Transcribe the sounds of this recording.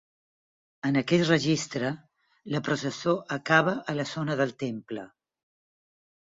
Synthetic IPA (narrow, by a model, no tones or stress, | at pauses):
ənəkɛt̪rəʒist̪ɾə | ləpɾusəsoʔəkaβəʔələzonəðəlˠt̪emplə